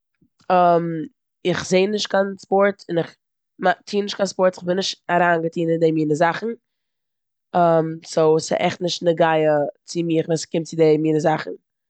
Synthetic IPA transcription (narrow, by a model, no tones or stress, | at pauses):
əm | ɪχzeɪnɪʃtkanspɔɾtɪnɪχ | matʰiːnɪʃtkʰanspɔɾtɪχbɪnːɪʃtaɾaːnɡətʰiːnɪndemiːnəzaχn̩ | amsoʊsɪ̰ʔɛχtnɪʃtnəɡaɪət͡sɪmiːχvɛːskɪmtt͡sɪdemiːnəzaχn̩